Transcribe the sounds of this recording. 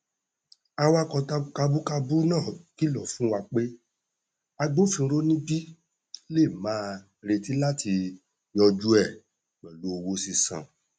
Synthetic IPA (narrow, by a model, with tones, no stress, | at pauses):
a˧wa˦kɔ˧ta˧ka˧bu˦ka˧bu˦nãː˦˨ki˨˦lɔ˦˨fũ˦wa˧k͡pe˦ | a˧ɡ͡bo˦fĩ˧ɾo˦nĩ˦bi˦ | le˦˨mãː˦ | ɾe˧ti˦la˦ti˧ | jɔ˧d͡ʒu˦ɛ˦˨ | wɛ˨lo˨˦o˧wo˦si˧sã̰˨